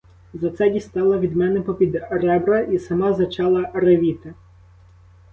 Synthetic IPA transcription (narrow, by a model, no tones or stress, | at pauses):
zɐt̪sɛdʲist̪ɑlˠɐʋʲid̪mɛnɛpɔpʲid̪rɛbɾɐʔisɐmɑzɐt͡ʃɑlˠɐɾeʋʲit̪ɪ